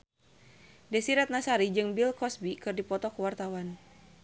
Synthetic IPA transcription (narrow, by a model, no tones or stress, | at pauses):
dɛsiɾat̪̚nasaɾid͡ʒɨŋbilkɔsbikɨrdipɔt̪ɔkəwart̪awan